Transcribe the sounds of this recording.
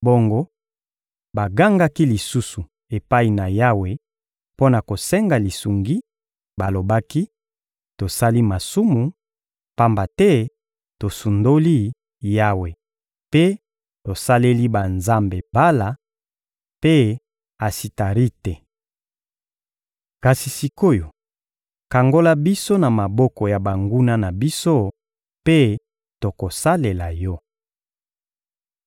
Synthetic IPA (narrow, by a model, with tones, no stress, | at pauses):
bo˦ŋɡo˦ | ba˨ɡa˦ŋɡa˦ki˦li˨su˦su˨ | e˨pa˦i˨na˨ja˦we˨ | po˦na˨ko˨sɛ˦ŋɡa˨li˨su˨ŋɡi˦ | ba˨lo˨ba˦ki˦ | to˨sa˦li˦ma˨su˦mu˨ | pa˦mba˨tɛ˦ | to˨su˨ndo˦li˦ | ja˦we˨ | pe˦ | to˨sa˦le˦li˦ba˨nza˦mbe˨ba˦la˨ | pe˦ | a˨si˨ta˨ʁi˦tɛ˨ | ka˨si˨si˨ko˦jo˨ | ka˨ŋɡo˦la˦bi˦so˦na˨ma˨bɔ˦kɔ˨ja˨ba˨ŋɡu˦na˦na˨bi˦so˦ | pe˦ | to˨ko˨sa˦le˨la˨jɔ˦